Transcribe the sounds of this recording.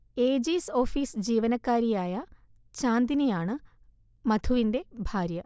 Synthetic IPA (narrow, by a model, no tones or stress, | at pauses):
eːd͡ʑiːso̞ːfiːsd͡ʑiːʋɐnɐkːaːɾijaːjɐ | t͡ɕaːnd̪inejaːɳɨ | mɐd̪ʱʰuʋinde̞bʱaːɾjɐ